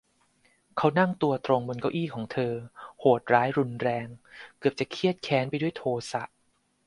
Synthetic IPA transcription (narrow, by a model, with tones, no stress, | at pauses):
kʰa˦˥wna˥˩ŋt̪u˧ɐt̪ɾo˧ŋbo˧nka˥˩wʔiː˥˩kʰɔː˩˦ŋt̪ʰɤː˧hoː˨˩t̪̚ɾaː˦˥jɾu˧nɾɛː˧ŋkɯ˨˩əp̚t͡ɕa˨˩kʰi˥˩ət̪̚kʰɛː˨˦˥npa˧jdu˥˩əjt̪ʰoː˧sa˨˩ʔ